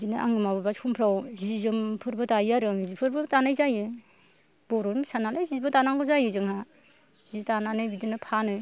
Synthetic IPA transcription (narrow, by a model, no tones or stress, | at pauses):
dinɯʔa̰ŋɯmababaskʰumpʰɾawzizɯmpʰɯɾbɯtajaɾɯŋzipʰɯɾbɯtanajzajɯ | bɔɾɔnsanalajzibatanaŋɡɔzajɯzɯŋha | zitananajbidinɯpʰanɯ